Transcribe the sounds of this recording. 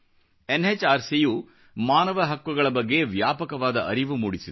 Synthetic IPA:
enɦet͡ʃaːɾsiju | maːnɐʋɐɦɐkʋuɡɐɭɐbɐɡːe̞ʋjaːpɐkɐʋaːd̪ɐʔɐɾiʋumuːɽisid̪

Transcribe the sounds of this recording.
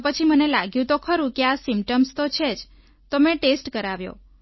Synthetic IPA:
pət͡ʃʰimənelaɡjũt̪okʰəɾũkeasimpʈəmst̪ot͡ʃʰed͡ʒ | t̪omẽʈesʈkəɾaʋjo̰

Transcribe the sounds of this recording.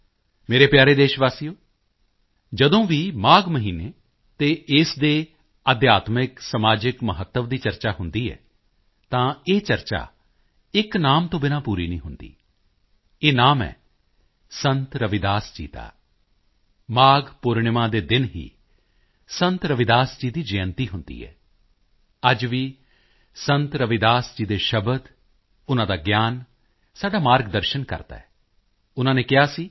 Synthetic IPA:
meːɾeːpjaːɾeːd̪eːʃʋaːsijoː | d͡ʒəd̪õːʋiːmaːɡməɦiːneː | t̪eːɪsd̪eː | əd̪jaːt̪mɪksəmaːd͡ʒɪkməɦət̪ːəʋd̪iːt͡ʃəɾt͡ʃaːɦʊnd̪iːɛ̰ː | t̪ãːeːt͡ʃəɾt͡ʃa̰ː | ɪknaːmt̪õːbɪnãːpuːɾiːnḭ̃ːɦʊnd̪ḭː | eːnaːmɛ̰ː | sənt̪ɾəʋɪd̪aːsd͡ʒḭːt̪a̰ː | maːɡpʊɾɳɪmãːd̪eːd̪ɪnɦḭː | sənt̪ɾəʋɪd̪aːsd͡ʒiːd̪iːd͡ʒeːənt̪iːɦʊnd̪ḭːɦɛ̰ː | əd͡ʒʋiː | sənt̪ɾəʋɪd̪aːsd͡ʒiːd̪eːʃəbəd̪ | ʊnãːd̪aːɡjaːn | saːɖaːmaːɾɡd̪əɾʃənkə̰ɾt̪a̰ːɛː | ʊnãːneːkɪɦaːsiː

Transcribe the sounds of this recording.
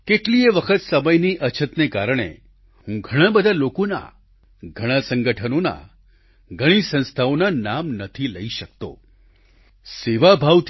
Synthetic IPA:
keʈlieʋəkʰət̪səməjniʔət͡ʃʰət̪nekaɾəɽ̃ḛ | ɦũɡʱəɽ̃ãbəd̪ʱalokona̰ | ɡʱəɽ̃asəŋɡəʈʰənona̰ | ɡʱəɽ̃isə̃ñst̪ʰaonanamnət̪ʰiləiʃək̚t̪o̰ | seʋabʱaʋt̪

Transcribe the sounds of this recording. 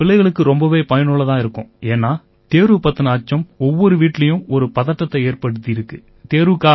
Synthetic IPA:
pɪlɐɪɣɐɭɯkːɯɾɔmbɐʋeːpɐjɐnʊɭɐt̪ãːɪɾɯkːʊ̰̃eːnːaː | t̪eːɾupɐt̪ːɐnɐːt͡ʃːɐmɔʋːɔɾɯʋiːʈːɪlɐjɯ̃ɔɾɯpɐðɐʈːɐt̪ːɐeːrpɐɽɯt̪ːiɪɾɯkːɯ | t̪eːɾukaː

